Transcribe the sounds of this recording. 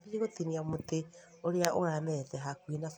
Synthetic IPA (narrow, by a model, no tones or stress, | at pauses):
diɾeɣotiniamote | oɾeaʔoɣamɛtɛɦakwinaf